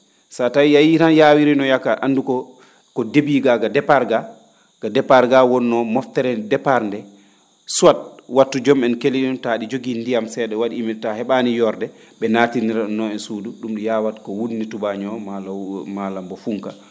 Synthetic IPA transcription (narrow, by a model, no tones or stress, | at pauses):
satajijajiɾanjawiɾinɔjakːaʔandukɔ | kɔdebiɡaɡadɛpaɾɡa | ɡ̥adɛpaɾɡawɔnːɔmɔftɛɾɛndɛpaɾndɛ | suwat̚watːud͡ʒɔmɛnkeliɗuntaɗid͡ʒoɡindijamsɛɗɛwaɗiːmitahɛɓanijɔɾdɛɓɛnaːtiniɾanːɔɛnsuːduɗumɗijawatkɔwunːitubaɲɔmalmalambɔfuŋka̰